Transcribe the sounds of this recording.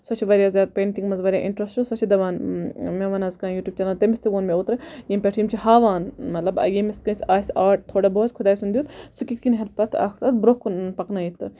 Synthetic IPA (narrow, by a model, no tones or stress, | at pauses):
sɐt͡ʃʰiʋɐɾʲjaːzʲjaːd̪̚pʲeːɳʈiŋɡmɐnzʋɐɾʲjaːʔḭɳʈɾɐsʈɨsɐt͡ʃʰid̪ɐʋaːnmeʋɐnazkãːnjuːʈʲjuːb̚t͡ʃɐlaːnt̪emist̪ɨʋoːnmʲeot̪ɾɐjemʲpʲeʈʰiːmt͡ʃʰiɦaːʋaːnmɐt̪lɐbɐ̰jemiskɐ̃nsʲaːsʲaːʈ̚t̪ʰoːɽɐboːt̪kʰʊd̪aːjsund̪ʲjuːt̪sukʲit̪kinɦɐt̪̚pɐt̪ʰa̰ːkʰt̪ɐt̪bɾokunpɐknajit̪ːɨ